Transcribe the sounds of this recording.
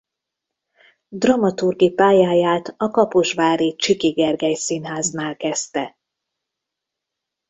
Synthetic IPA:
d̪rɒmɒt̪urɡipaːjaːjaːt̪ɒkɒpuʃvaːɾiːt͡ʃikiɡɛrɡɛjsinɦaːznaːlkɛst̪ɛ

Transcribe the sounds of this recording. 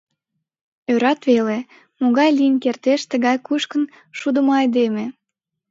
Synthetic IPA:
øɾɑt̪βele | moɣɑjliənkert̪eʃt̪əɣɑjkuʃkən | ʃud̪əmoɑjd̪eme

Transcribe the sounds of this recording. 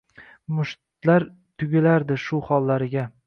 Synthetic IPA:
mʊʃt̪t̪laɾ | t̪ʰʊɡʲɪlaɾd̪ɪʃʊχɒlːaɾɪɡʲa

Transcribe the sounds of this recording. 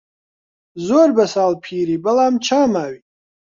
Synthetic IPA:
zoːrbɐsaːlpʰiːɾibɐlaːmt͡ʃʰaːmaːwi

